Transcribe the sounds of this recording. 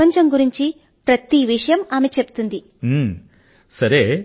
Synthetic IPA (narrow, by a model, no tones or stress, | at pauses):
ɐɲt͡ʃɐmɡuɾiɲt͡ʃi | pɾɐt̪iʋiʂɐjɐmaːme̞t͡ʃepu̥t̪und̪i | sɐɾeː